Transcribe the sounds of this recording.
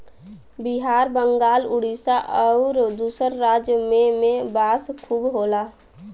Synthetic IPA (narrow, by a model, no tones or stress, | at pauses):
biɦaːɾbəŋɡaːlʊɽisaʔɔʊɾd̪uːsəɾːaːd͡ʒjəmẽmẽbaːskʰubɦoːla